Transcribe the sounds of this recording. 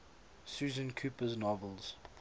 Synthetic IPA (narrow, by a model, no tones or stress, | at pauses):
suːzə̃nkʰjuːpəznɔvəlˠz̥